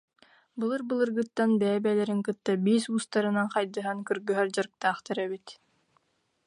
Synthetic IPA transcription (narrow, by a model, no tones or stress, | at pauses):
bɯlˠɯɾbɯlˠɯɾɡɯt̪ːanbɛːbɛːlɛɾiŋkɯt̪ːabiːsuːst̪aɾɯnaŋqɑjd̪ɯɦaŋkɯɾɡɯɦœɾd͡ʑaɾɯk̚t̪aːχt̪aɾɛbit̪